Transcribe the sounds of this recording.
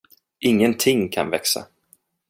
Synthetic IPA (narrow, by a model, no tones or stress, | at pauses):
ʔɪŋːənt̪ʰɪŋkʰa̰nvɛksa̰